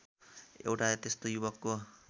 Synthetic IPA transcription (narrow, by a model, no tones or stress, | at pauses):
ḛwʈat̪est̪ojubʌkːo